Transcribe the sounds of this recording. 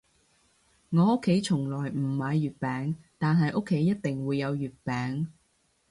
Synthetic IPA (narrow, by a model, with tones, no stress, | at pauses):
ŋɔː˨˧ʊ˥kʰːe˨˥jt͡ʃʰʊ˨˩ŋlɔː˨˩jm̩˨˩mɐ˨˧jːyː˨t̚pɛː˨˧ŋt̪aː˨nɦɐ˨jʔʊ˥kʰːe˨˥jːɐ˥t̚t̪ɪ˨ŋwuː˨˧jːɐ˨˧wjyː˨t̚pɛː˨˥ŋ